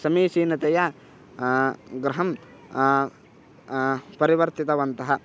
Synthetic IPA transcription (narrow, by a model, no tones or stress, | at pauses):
sɐmiːsiːnɐt̪ɛjɐ | ɡɾɐɦɐm | pɐɾiʋɐɾt̪it̪ɐʋɐnt̪ɐɦɐ